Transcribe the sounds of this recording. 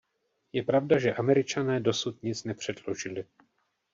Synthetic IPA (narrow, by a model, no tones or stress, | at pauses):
jɛpɾavdaʒɛʔamɛɾɪt͡ʃanɛːdo̞sut̪ɲɪt͡snɛpr̝̥ɛdlo̞ʒɪlɪ